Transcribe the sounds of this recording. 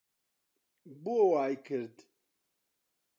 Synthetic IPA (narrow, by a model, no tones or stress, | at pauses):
buowaːjkʰɨɾd̪